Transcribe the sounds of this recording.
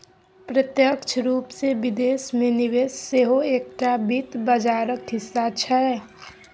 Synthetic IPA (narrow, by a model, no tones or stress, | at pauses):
pɾət̪jəkt͡ʃʰɾuːpsebɪd̪eːsmẽniʋeːsseɦoeːk̚ʈabit̪bəd͡ʒaːɾəkɦɪsːat͡ʃʰɛ